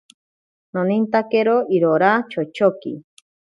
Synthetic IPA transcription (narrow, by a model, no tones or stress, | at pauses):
nõnĩnt̪akeɾoʔiɾoɾat͡ʃot͡ʃokḭ